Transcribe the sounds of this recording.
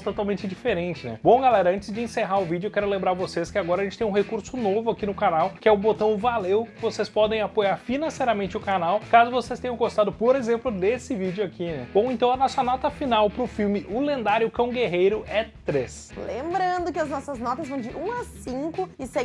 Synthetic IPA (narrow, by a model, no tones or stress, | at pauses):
t̪ot̪awmẽnt͡ʃɪd͡ʒifeɾẽnt͡ʃɪnɛ̰bõw̃ɡalɛɾɐɐ̃nt͡ʃɪzd͡ʒɪẽseɦaɾʊvid͡ʒʊewkɛɾʊlẽmbɾaɾvoseskɪaɡɔɾɐʒẽt͡ʃɪt̪ẽj̃ũhekuɾsʊnovʊakinʊkanawkɪɛʊbot̪ɐ̃w̃valewkɪvosespɔd̪ẽj̃apojaɾfinɐ̃sejɾɐmẽnt͡ʃɪʊkanawkazʊvosest̪ẽɲ̃ɐ̃w̃ɡost̪ad̪ʊpoɾezẽmplʊd̪esɪvid͡ʒʊakinɛ̰bõw̃ẽt̪ɐ̃w̃ɐnɔsɐnɔt̪ɐfinawpɾʊfiwmɪʔʊlẽnd̪aɾjʊkɐ̃w̃ɡeɦejɾʊɛt̪ɾes | lḛ̃mbɾɐ̃nd̪ʊkɪɐznɔsɐznɔt̪ɐzvɐ̃w̃d͡ʒɪʔũasĩŋkʊɪsɛ